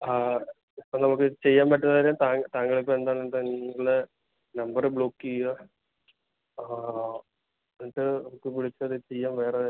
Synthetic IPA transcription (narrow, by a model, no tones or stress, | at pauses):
a | onɐmukːɨt͡ɕe̞jːaːmpɐʈːunðaːiɾemt̪aːt̪aːŋɡɐɭipːoend̪aːɭnt̪ɐɐɭɨ | nɐmbɐrɨbɭo̞ːkːiaː | eniʈːɨnɐmukːɨpiɭit͡ɕːuɐðɨt͡ɕe̞jːaːmʋe̞ːre